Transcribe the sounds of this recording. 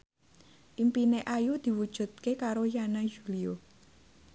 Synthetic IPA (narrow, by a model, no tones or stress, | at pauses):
ʔimpineʔajud̪̥i̤wud̥ʒ̥ṳt̪̚kekaɾojanad͡ʒulio